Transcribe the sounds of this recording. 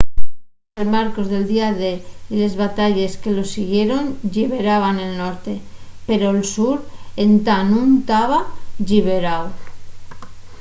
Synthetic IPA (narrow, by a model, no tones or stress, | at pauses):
elmaɾko̞zðe̞ld̪iaðeile̞zβat̪aʎe̞ske̞lo̞siɣje̞ɾo̞nʎiβe̞ɾaβ̞ane̞lnoɾt̪e̞pe̞ɾo̞elsuɾent̪anunt̪aβaʝiβeɾaw